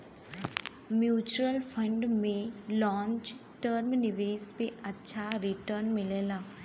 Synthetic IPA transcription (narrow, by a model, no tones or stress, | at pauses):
mjuːt͡ʃuəlfʰə̃ɳɖmẽlɔ̃ːɲt͡ʃ | ʈəɾmnɪʋeːspeɐtːʃʰaɾɪʈəɾnmɪleːlaː